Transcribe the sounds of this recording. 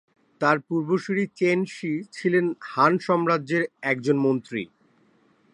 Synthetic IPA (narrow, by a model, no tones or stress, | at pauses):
t̪aɾpuɾboʃiɾit͡ɕenʃit͡ɕʰilenhanʃɔmɾadd͡ʑeɾɛk̚d͡ʑonmont̪ɾḭ